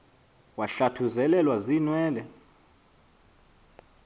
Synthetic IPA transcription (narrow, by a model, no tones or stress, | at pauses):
waɬatʰuzɛlɛlwazinwɛːlɛ